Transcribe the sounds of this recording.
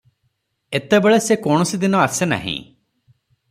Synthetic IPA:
et̪ebeɭesekɔɽ̃ɔsid̪inɔasena̰ɦḭ̃

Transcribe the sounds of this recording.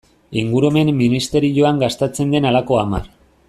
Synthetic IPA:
iŋɡuɾume̞mːinist̪e̞ɾiʎo̞aŋɡast̪et͡se̞nd̪e̞nalako̞ama̰r

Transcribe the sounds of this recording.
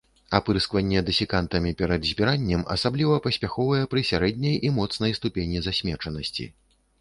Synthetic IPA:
apɨɾskvɐnʲːɛd̪ɨsʲɛkant̪ɐmʲipʲɛɾɐd̪zʲbʲiɾanʲːɛmɐ̰sablʲivɐpɐsʲpʲaxɔvɐjɛpɾɨsʲaɾɛd̪ʲnʲɐjimɔt̪snɐjst̪upʲenʲizasʲmʲɛt͡ʂɐnɐsʲt͡sʲḭ

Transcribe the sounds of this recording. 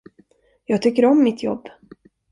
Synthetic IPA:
jɑːɡ̚t̪ʰʏkːəɾɔmːɪt̪ʰjɔ̰bː

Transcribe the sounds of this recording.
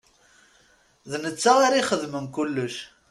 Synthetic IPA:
ðnət͡sːaaɾiχəðməmkʊlːəʃ

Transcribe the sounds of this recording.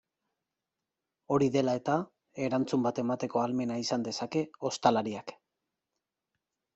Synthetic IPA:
o̞ɾiðe̞lae̞t̪a | e̞ɾant͡sumbat̪e̞mat̪e̞ko̞alme̞naisand̪e̞sake̞o̞st̪alaɾiak

